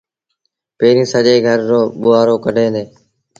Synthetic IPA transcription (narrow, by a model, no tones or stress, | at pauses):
peːɾĩːsəʄeːɡʱəɾːoːɓʊaːɾoːkəɖʱeːd̪eː